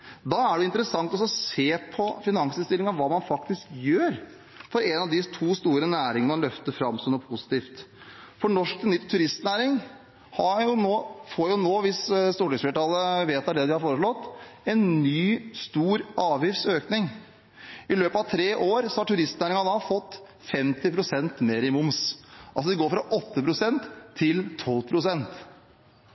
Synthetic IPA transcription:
d̪ɑːæɖɛɪnt̪əɾəsɑŋt̪ɔsɔseːpʰɔfɪnɑŋsɪnst̪ɪlɪŋɑʋɑːmɑnfɑkt̪ɪskjøːɾ | fɔɾɛnɑʋd̪ɪt̪ʰuːst̪uːɾənæːɾɪŋənmɑnlœft̪əɾfɾɑmːsɔnɔpʰʊsɪ̥t̪iːft̪ | fɔɳɔʂknʏt̪ʰːʉɾɪst̪næːɾɪŋ | hɑjʊnoːfoːɾjʊnoːʋɪsst̪uːʈɪŋsfɛːʈɑːlːəʋeːt̪ɑd̪ɛd̪ɪhɑɾfoːɾəʂɭɔt̪ːɛnnyːst̪uːɾʔɑːʋjɪft̪søːknɪŋ | ɪløːpəɑʋt̪ʰɾeːʔoːɾsɔhɑʈʰʉɾɪst̪næːɾɪŋɑd̪ɑfɔt̪ː | fɛmt̪ɪpʰɾʊsɛnt̪meːɾɪmʊmsʔɑ̰ls̬ɔd̪ɛɡoːɾfɾɑʔɔt̪ːəpʰɾʊsɛnt̪ʰːɪlt̪ʰɔlpʰɾʊsɛnt̪

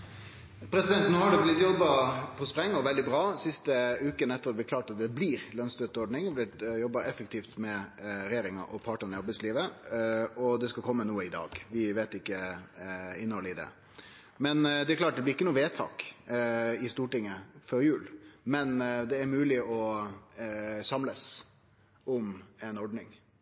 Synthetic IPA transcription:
pʰɾɛsɪd̪ɛnt̪noːhɑɖɛblɪt̪jɔbːɑpʰɔspɾɛŋːɔʋɛld̪ɪbɾɑːsɪst̪əʉːkənɛt̪ːəɾɑd̪ɛblɪkʰlɑːʈɑt̪̚d̪ɛbliɾlœnsd̪øt̪əɔɖɳɪŋblɪt̪jɔbːɑɛfəkt̪ʰiːft̪mɛɾɛjeːɾɪŋɑ̰ʔɔpʰɑːʈənəjɑbɪsliːʋə | ɔd̪ɛskɑkʰɔmːənuːəɪd̪ɑ̰ːɡʋɪʋeːt̪ɪkːə | ɪnːəhɔləɪd̪ɛ̰ | mɛnd̪ɛæɾkʰlɑːʈ̚d̪ɛblɪɾɪkːənuːʋeːt̪ʰɑ̰ːk | ɪst̪uːʈɪŋːəfɔɾjʉːlmɛnd̪ɛæɾmʉːlɪʔɔ | sɑmləs | ʔɔmɛnɔɖnɪŋ

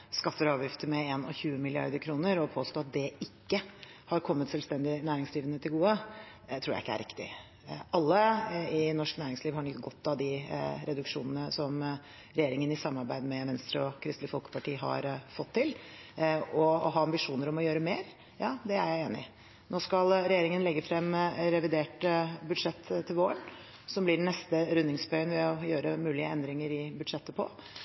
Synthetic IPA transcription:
skɑfːəɾɑːʋjɪft̪əmɛeːnɔ̰çʉːəmɪlɪɑ̰ɾd̪əɾkʰɾuːnəɾɔpʰoːst̪oːɑt̪̚d̪ɛɪkːə | hɑɾkʰɔmːət̪sɛlst̪ɛnd̪ɪnæːɾɪŋsd̪ɾiːʋənət̪ʰɪlɡuːə | t̪ʰɾuːɾæ̰ɪɪkːəæ̰ɾʔɪ̰kt̪ɪ̰ | ʔɑlːəɪnɔʂknæːɾɪŋsliːʋhɑɳɔt̪ɡɔt̪ːɑd̪ɪɾɛd̪ʉkʂuːnənəsɔm | ɾɛjeːɾɪŋənɪsɑmːɑɾbæɪd̪mɛʋɛnst̪ɾəɔkʰɾɪst̪lɪfɔlkə̥pɑʈiːɦɑ̰ɾfɔt̪ʰːɪl | ɔɔɦɑːɑmbɪʂuːnəɾɔmɔjøːɾəmeːɾ | jɑːd̪ɛæɾjæɪeːnɪ̰ | noːskɑlɾɛjeːɾɪŋənlɛɡːəfɾɛmɾɛʋɪd̪eːʈbʉd̪ʂɛt̪ʰːɪlʋoːəɳ | sɔmblɪɖɛnɛst̪əɾʉnːɪŋsbœʏənʋɛɔjøːɾəmʉːlɪəɛnd̪ɾɪŋəɾɪbʉd̪ʂɛt̪ːəpʰɔ̰

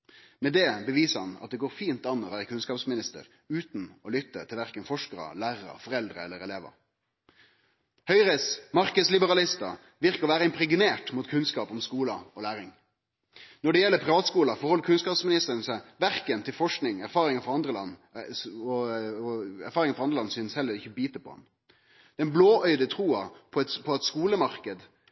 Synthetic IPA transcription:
mɛd̪ɛbəʋiːsəhɑnɑ̰t̪̚d̪ɛɡoːɾfiːnt̪ɑnːɔʋæːɾəkʰʉnskɑːpsmɪnɪst̪ə̰ɾ | ʉːt̪nɔlʏt̪ːə̰t̪ʰɪlʋæʁkənfɔʂkəɾɑ̰læːɾəɑ̰fɔɾɛld̪ɾəɛlːəɾɛleːʋə̰ɾ | hœʏɾəsmɑɾkəslɪbəɾɑlɪst̪ɑ | ʋɪʁkəʁɔʋæːɾəɪmpɾɛɡɪneːʈmʊt̪kʰʉnskɑːpɔmskuːlɑɔlæːɾɪŋ | nɔɖɛjɛlːəpʰʁɪʋɑːt̪skuːlɑfɔɾhɔlːəɾkʰʉnskɑːpsmɪnɪst̪əɾənsɛʋæɾkənt̪ʰɪlfɔʂknɪŋæɾfɑːɾɪŋɑfɔɾɑnd̪ɾəlɑnː | ɔɔæ̰ɾfɑːɾɪŋɑfɔʁɑnd̪ʁlɑnːsʏnshɛlːəɾɪçəbiːt̪əpʰɔ̰ɛ̰n | d̪̥ɛnbloːœʏd̪ət̪ʰɾuːɑpʰɔɛt̪pʰɔɛt̪skuːləmɑʁkəd̪

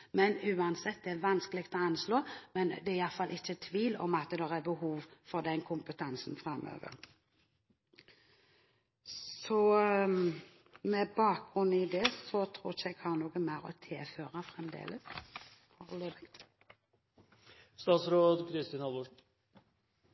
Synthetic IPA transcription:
mɛnʉːɑnsɛt̪̚ːd̪ɛæɾʋɑnskəlɪɡ̚t̪ɔɑnsloːmɛnd̪ɛɪjɑt̪fɑlʔɪçːət̪ʰʋiːlɔ̰mɑt̪d̪ɛʁæbəhuːʋfɔɾd̪ɛnkʰʊmpət̪ʰɑnsnfɾɑmːø̰ːʋə̰ʁ | sɔ | mɛbɑːk̚ɡ̥ʁʉnːɪd̪ɛsɔt̪ʰɾuːçəɛɡhɑːʁnuːɡəmæɪɾɔ̰t̪ʰɪlføːɾɑfɾɛmd̪ḛːləs | hɑɑləbɛk̪ | st̪ɑːt̪sɾoːd̪kʰɾɪst̪ɪːnhɑlbʊ

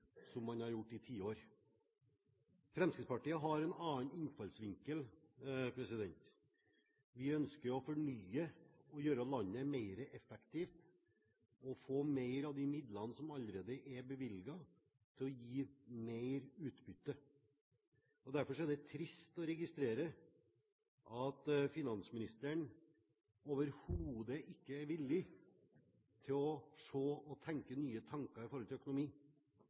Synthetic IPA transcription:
sɔmːɑnhɑɾjʊʈːɪt̪ʰiːoːɾ | fɾɛmskɾɪt̪spɑʈiːəɦɑɾɛnɑːnɪnfɑlsʋɪŋkəlpʰɾɛsɪd̪ɛnt̪ | ʋɪœnskəɾɔfɔɳyːəɔjøːɾəlɑnːəmeɪɾəʔɛfɛkt̪ʰiːft̪ | ɔfoːmeɪɾɑʋd̪ɪmɪd̪lɑnəsɔmɑləɾeːd̪əʔɛbəʋɪlɡɑ | t̪ʰɪlɔjiːmeɪɾʉːt̪bʏt̪ːə | ɔd̪æɾfɔʂɔæd̪ɛt̪ʰɾɪst̪ɔɾɛɡɪst̪ɾeːɾə | ʔɑt̪fɪnɑnsəmɪnɪst̪əɳ | oːʋəɾhuːd̪əʔɪkːəæɾʋɪlːɪ | t̪ʰɪlɔʂoːɔt̪ʰɛŋkənyːət̪ʰɑŋkɑɾɪfɔɾɔlt̪ɪlːœəkʊnʊmiː

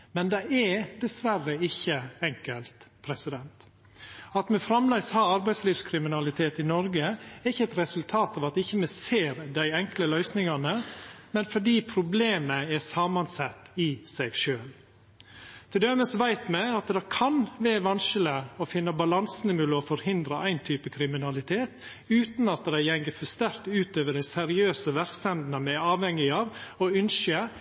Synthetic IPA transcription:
mɛnd̪ɛɪɛd̪ɛsʋæɾːəɪçːəɛŋkəlt̪pʰɾɛsɪd̪ɛnt̪ | ɑt̪mɛfɾɑmlæɪshɑːɑɾbæɪsliːʋskʰɾɪmɪnɑlɪt̪ʰeːt̪ɪnɔɾɡəɛɾɪçːəɛt̪ɾɛsʉlt̪ʰɑːt̪ɑʋɑt̪ɪçːəmɛseːɾd̪æɪɛŋkləlœʏsnɪŋɑnəmɛnfɔɖiːpʰɾʊbleːməɛsɑːmɑnsɛt̪ːɪsæɪɡʃøːl | t̪ʰɪd̪ɛməsʋæɪt̪mæɪɑt̪d̪ɛɪkʰɑnʋæʋɑnʃələɔfɪnːəbɑlɑnsənɪmʉːləɔfɔɾhɪnd̪ɾəʔæɪnt̪ʰyːpəkʰɾɪmɪnɑlɪt̪ʰeːt̪ | ʉːt̪nɑt̪d̪æɪjɛŋɡəfɔst̪æɾt̪ʉːt̪øːʋəɖæɪsɛɾɪøːsəʋæɾksɛnd̪nəmɛɑːʋhɛŋːɪɑːʋɔʉnʃə

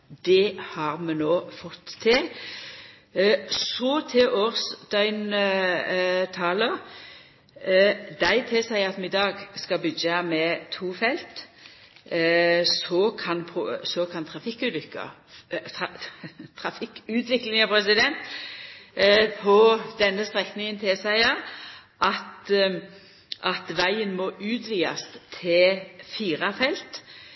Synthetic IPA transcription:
d̪ɛhɑʁmɛnoːfɔt̪ʰːɪl | sɔt̪ʰɪʔɔʁsd̪œʏn | t̪ʰɑːlə | d̪æɪt̪ʰɪlsæɪɑt̪mɛɪd̪ɑːɡskɑbʏd͡ʒɑmɛt̪ʰuːfɛlt̪ | sɔkʰɑnpʰsɔkʰɑnt̪ʰɾɑfɪkːʉːt̪ʋʏkːɑ̰t | t̪ʰɾɑfɪkʉːt̪ʋɪklɪŋɑpʰɾɛsɪd̪ɛnt̪ | pʰɔd̪ɛnːəst̪ɾɛknɪŋənt̪ʰɪsæɪɑ | ʔɑt̪ | ʔɑt̪ʋæɪənmɔʉːt̪ʋiːɑ̰st̪ʰɪlfiːɾɑfɛlt̪

